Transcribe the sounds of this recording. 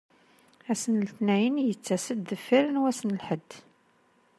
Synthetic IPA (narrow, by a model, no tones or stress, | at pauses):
æsənəlt̪næjənjət͡sːæsəd̪ðəfːiɾənwæsənəlħəd̪ː